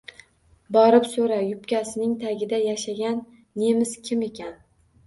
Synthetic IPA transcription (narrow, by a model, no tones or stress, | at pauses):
bɒɾɪpsoɾajʊpkʲasɪnɪŋt̪ʰaɡʲɪd̪ajaʃaɡʲanː | e̞mɪzkʲʰɪme̞kʲan